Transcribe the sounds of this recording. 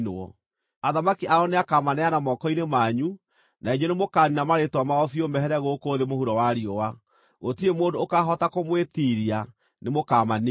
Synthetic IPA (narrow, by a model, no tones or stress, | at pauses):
noɔ̰ | aðamakiʔaɔneakamanɛanamɔːkɔinemaɲu | naeɲɔnemokaːninamaɾetwamaɔfiomɛɦɛɾɛɣoːkoːðemohuɾɔwaɾiɔwa | ɣotiemoːndoːkaɦɔtakomwetiɾia | nemokaman